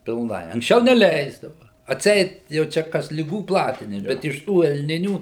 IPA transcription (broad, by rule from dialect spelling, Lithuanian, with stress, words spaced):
pʲɪlˠˈnɐɪ ɐŋksʲˈt͡ʃʲɛʊ nʲɛˈlʲɛɪzdɐʋɐ ɐtʲˈsʲɛɪt jɛʊ ˈt͡ʃʲɛ ˈkɐs lʲɪˈɡuː ˈplˠɑːtʲɪnʲɪms bʲɛt ɪʃ ˈtuː ɛlʲˈnʲɪnʲuː